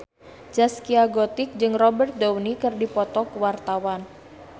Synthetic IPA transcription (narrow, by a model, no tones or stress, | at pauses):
d͡ʒaskiaɡɔt̪ɪk̚d͡ʒɨŋrɔbərt̪̚dawnikɨrdipɔt̪ɔkəwart̪awan